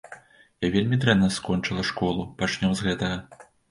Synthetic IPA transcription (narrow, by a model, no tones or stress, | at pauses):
javʲelʲmʲid̪ɾɛmnɐskɔnt͡ʂɨlˠɐʂkɔlˠupat͡ʂnʲɔmzɣɛt̪ɐɣɐ